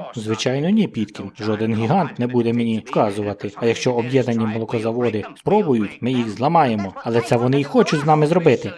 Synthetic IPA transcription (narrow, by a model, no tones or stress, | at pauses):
zʋɪt͡ʃɑjnɔnʲipʲid̪kʲinʒɔd̪ɪnɦʲiɦɑnt̪nɛbud̪ɛmenʲiwkɑzʊʋɐt̪ɪɐjɐkʃt͡ʃɔɔbjɛd̪nɐnʲːimɔlˠɔkɔzɐʋɔd̪ɪspɾɔbʊjʊtʲmɪjixzlˠɐmɑje̞mɔɐlˠɛt̪sɛʋɔnɪixɔt͡ʃʊtʲznɑmɪzɾɔbɪt̪ɪ